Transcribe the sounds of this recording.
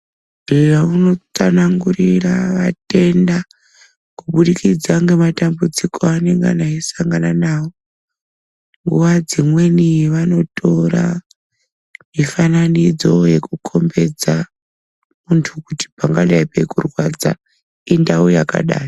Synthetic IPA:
ʐ̥irauno̞t͡sanaŋɡuriraʋa̰te̞nda | kuɓuɗikid͡zaŋɡe̞matambud͡zikʰoane̞ŋɡa̰naisaŋɡananaːwo̞ | ŋɡuʋad͡zimwe̞niʋano̞tʰo̞ra̰ | mifananid͡zo̞je̞kukʰo̞mbe̞d͡za | muntʰukuti̥paŋɡalaepe̞kurwad͡za̰ | indaujaka̰ɗa̰ːjo

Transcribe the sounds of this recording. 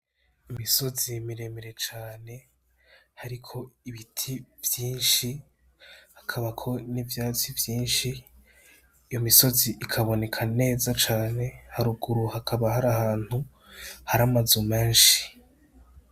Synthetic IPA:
imiso̞zimiɾe̞miɾe̞t͡ʃaːne̞ | haɾikʰo̞iβitʰivjiːnʃi | hḁkʰaβakʰo̞nivjaːt͡sivjiːnʃi | jo̞miso̞ziʔikʰaβo̞ne̞kʰane̞ːzat͡ʃaːne̞haɾuɡuɾuhakʰaβahaɾahaːn̥hu | haɾamazume̞ːnʃi̥

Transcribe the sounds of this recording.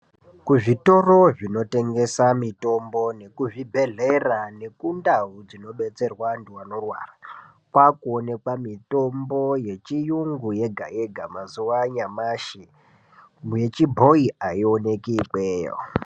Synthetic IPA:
kuʐito̞ro̞ʐino̞te̞ŋɡe̞samito̞mbo̞ne̞kuʐibʱe̞ɮerane̞kundaud͡zino̞ɓe̞t͡se̞rwanduwano̞rwa̰ːra | kwakuone̞kwamito̞mbo̞je̞t͡ʃijuŋɡuje̞ɡʱa̰jeɡʱamazuwaɲamaʃi | muje̞t͡ʃibʱo̞iaio̞ne̞kiːpeːjo̰

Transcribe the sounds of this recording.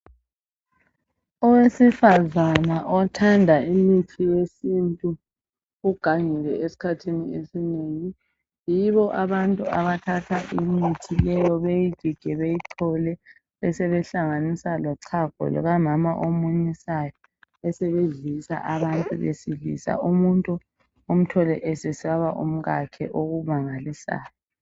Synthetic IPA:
ɔwesifazanaʔɔtʰandʱaimitʰijesintʼu | uɡ̥ʱaŋɛlɛesi̥kʰatʰiniesineŋi | jiβɔʔaβantʼuaβatʰatʰaʔimitʰilɛjɔβejiɡ̥ʱiɡ̥ʱɛβejiǀʰɔlɛ | ɛsɛβɛɬaŋanisalɔǀʰaɡ̥ʱɔ̰lɔ̰ɣamamaʔomuɲisajɔ | ɛsɛβeɮisa̰ʔaβantʼuβḛsilḭsa̰umuntʼu | om̩tʰɔlɛʔɛsesiaβa̰ʔum̩ɣakʰɛ̰ʔoɣumaŋalisa̰ːjɔ

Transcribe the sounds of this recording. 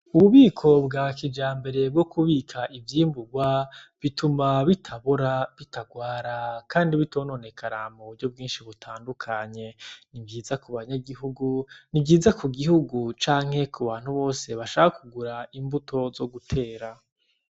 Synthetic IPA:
uβuβiːkʰo̞bɡakid͡ʒaːmbe̞ɾe̞b̚ɡo̞kʰuβiːkʰaʔivjiːmbuɡwaβitʰumaβitʰaβoɾaβitʰaɡwaːɾakʰaːndiβitʰo̞ːno̞ne̞kʰanamuβuɾɟo̞b̚ɡiːnʃiβutʰaːndukʰaɲe̞nibjiːzakuβaɲaɡiɦuɡunibɟiːzakuɡihuɡut͡ʃaːŋ̥he̞kuβaːn̥huβo̞ːse̞βaʃaːkakʰuɡuɾaimbutʰo̞zo̞ɡutʰe̞ːɾa

